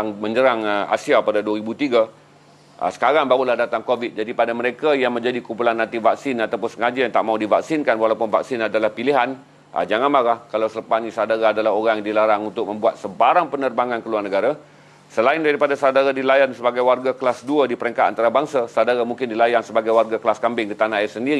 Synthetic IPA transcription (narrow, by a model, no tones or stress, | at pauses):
aŋmə̃ɲd͡ʒəɾaŋa̰siapadaduaɾibut̪iɡa | ʔə̰sə̥kaɾaŋbaɣulahdat̪aŋkovɪt̪̚d͡ʒadipadaməɾekajaŋmə̃ɲd͡ʒadikumpulanːãnt̪ivak̚sɪnat̪awpʊnsəŋad͡ʒajaŋt̪a̰ʔmaudivak̚sɪnkanwalawpʊnva̰ksɪnadalahpiliɦan | ə̰d͡ʒaŋanmaɾahkalawsələpasnĩsadaɾaːdalaɦoɾaŋjdilaɾaŋunt̪ʊk̚mə̃mbuat̪̚səbaɾaŋpənərbaŋankəluarnəɡaɾa | səlaɪndaɾipadasadaɾadilajansəbaɡajwarɡakəlasduadipəɾɛŋkat̪̚a̰nt̪aɾabaŋsasadaɾamuŋkɪndilajaŋsəbaɡajwarɡaklaskambɪŋkit̪anaɛsəndiɾi